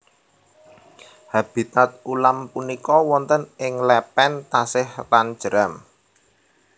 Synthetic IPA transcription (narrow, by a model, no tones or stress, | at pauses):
hab̥i̤t̪at̪̚ulampunikɔwɔnt̪ənɪŋlɛpɛnt̪asɪhlan̥d͡ʒ̥ɾam